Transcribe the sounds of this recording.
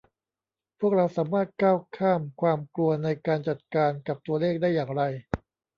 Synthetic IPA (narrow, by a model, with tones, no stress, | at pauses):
pʰu˥˩ək̚ɾa˧wsaː˩˦maː˥˩t̪̚kaː˥˩wkʰaː˥˩mkʰwaː˧mklu˧ɐna˧jkaː˧nt͡ɕa˨˩t̪̚kaː˧nka˨˩p̚t̪u˧ɐleː˥˩k̚daː˥˩jaː˨˩ŋɾa˧j